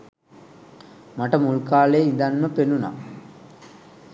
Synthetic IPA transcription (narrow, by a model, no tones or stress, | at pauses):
maʈəmulkaːleːind̪anməpenuna̰